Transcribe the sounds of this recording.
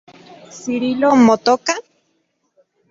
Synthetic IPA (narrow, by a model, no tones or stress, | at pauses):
siɾilomot̪oka